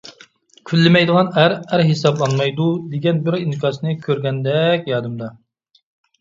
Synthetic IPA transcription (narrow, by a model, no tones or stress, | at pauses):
kʲʰylːɪmɛjd̪əʁɑnæɾæɾɦesɑblˠɑnmɑjd̪ud̪eɡʲɛnbɪɾinkʰʲɑːsnɨkʲʰøɾɡʲɛnd̪ɛkʲjɑːd̪ɨmd̪ɑ